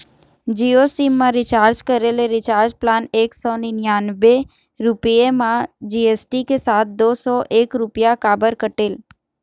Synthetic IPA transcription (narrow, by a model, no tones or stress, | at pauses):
d͡ʒiosimːãɾit͡ʃaɾd͡ʒkəɾeleɾit͡ʃaɾd͡ʒplaneksɔninjanbe | ɾupijemãd͡ʒiesʈikesat̪̚d̪osɔʔekɾupjakabəɾkəʈel